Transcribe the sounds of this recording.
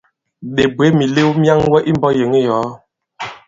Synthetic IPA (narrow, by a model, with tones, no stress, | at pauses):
ɗe˨bwe˨˦mi˨le˦wmja˦ŋwɛ˦ʔi˦m˦bɔ˦je˨ŋe˦jɔː˨˦